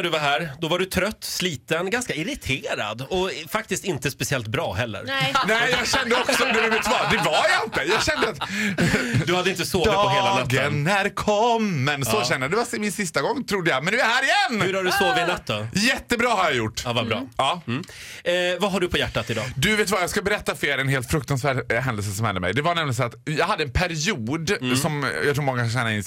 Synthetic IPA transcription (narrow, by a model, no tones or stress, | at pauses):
ɖɵvaɦæːɾd̪ɔvaɖɵt̪ʰɾœt̪ːsliːt̪ənɡanskaɪɾɪt̪ʰeːɾa̰d̪ɔfak̚t̪ɪst̪ɪnt̪əspɛsɪɛlt̪̚bɾɑːhɛlːə̰ɾnɛɪjɑːɡɕɛnd̪əɔksɔnæɖɵvɛt̪ːvɑd̪ɛvajaɪnt̪əjɑːɡɕɛnd̪əat̪ | d̪ɵhad̪əɪnt̪əsoːd̪ɪtːpɔheːlanœtɡənːæɾkʰɔmːɛnsɔɕɛnːəd̪ɛvasmɪnsɪst̪aɡɔŋːt̪ʰɾʊd̪ːəjɑmɛnʉæɾhæːɾɪjɛnːʉɾaɖɵsoːvɪnɛt̪ʰːəjɛt̪ːəbɾɑːhaɾjajʊʈːvabɾɑ̰ːɑː | vaɦaɖɵpʰɔjæʈːat̪ɪd̪ɑ̰ːd̪ɵveːt̪̬vajɑːɡskbɛɾɛt̪ːafeːɾɛnɦeːlt̪fɾɵkt̪ansvæːɖɦɛnd̪əls̬əsɔmhɛ̰nd̪əmɛ̰jd̪ɛvaɳɛmlɪɡnsæːɾat̪jɑːɡɦad̪ːəɛnpʰæɾɪuːd̪sɔmjɑt̪ʰɾuːmɔŋːakʰanɕɛnaɪ̰n